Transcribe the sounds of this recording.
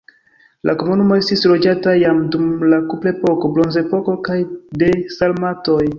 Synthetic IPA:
lʔako̞munumo̞e̞stislo̞d͡ʒatajamdumlakuple̞po̞ko̞blo̞nze̞po̞ko̞kajde̞salmato̞j

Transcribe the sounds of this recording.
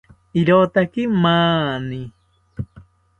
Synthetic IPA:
iɾot̪akimaːni

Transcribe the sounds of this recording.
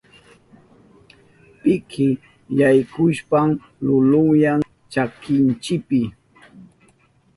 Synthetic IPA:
pɪkʰɪ | jajkʊʃpam | lʊlʊjaŋ | t͡ʃakɪnt͡ʃɪpɪ

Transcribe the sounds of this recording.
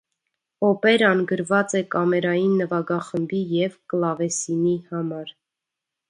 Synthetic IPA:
ɔpɛɾɑnɡəɾvɑt͡sɛkɑmɛɾɑjinːəvɑɡɑχəmbijɛvklɑvɛsinihɑmɑɾ

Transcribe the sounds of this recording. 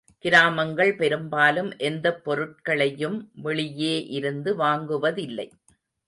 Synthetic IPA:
kɪɾaːmɐŋɡɐɭpɛɾɯmbaːlɯmʔɛnd̪ɐpːɔɾɯʈ̚kɐɭɐjɯmʋɛɭɪjeːʔɪɾɯnd̪ɯʋaːŋɡɯʋɐðɪlːɐ̰ɪ

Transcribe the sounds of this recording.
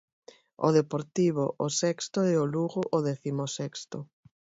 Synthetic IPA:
o̰ðepoɾt̪iβoʔosɛkst̪oɛoluɣʊʔoðɛθimosɛkst̪ʊ

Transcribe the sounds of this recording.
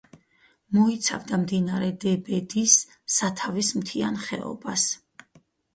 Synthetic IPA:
mɔit̪sʰa̰vd̪amd̪inaɾɛd̪ɛbɛd̪isː | at̪ʰavismt̪ʰianχɛ̰ɔ̰bas

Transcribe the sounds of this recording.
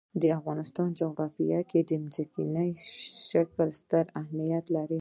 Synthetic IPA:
d̪əafɣɑnɪst̪ɑnd͡ʒoɣɾɑfijɑked̪əmzikinəjʃakəlst̪əɾahmijat̪laɾi

